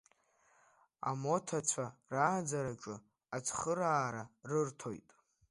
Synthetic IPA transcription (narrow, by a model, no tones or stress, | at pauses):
a̰mo̞tʰat͡sʷʰaraːd͡zaɾaʈ͡ʂʼɨ | at͡sʰʼχəɾaːɾarɨrtʰo̞jtʼ